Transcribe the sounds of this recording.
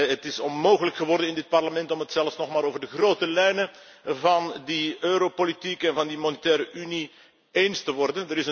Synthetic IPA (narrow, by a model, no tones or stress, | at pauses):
ɦətɪsɔnmoːɣələkχəʋɔrdənɪndɪt̚pɑrləmɛntɔmɦətsɛlˠfsnɔxmaːɾoːvərdəxroːtəlɛjnə | vɑndiøːɾopolitikɛnvɑndimɔnətɛːɾəʔyni | enstəʋɔrdəndəɾɪsə